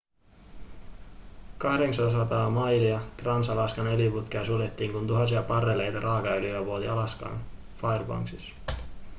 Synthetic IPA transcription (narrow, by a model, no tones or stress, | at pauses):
kɑhde̞ksɑns̬ɑt̪ɑːmɑjliɑt̪rɑnsɑlɑskɑne̞liput̪k̟iɑsulet̪ːiːŋkunt̪uɦɑnsiɑpɑrːele̞jt̪ɑɾʔɑːkɑyliæʋuolḭɑlɑskɑ̰n | fɑjrbɑ̰ŋksis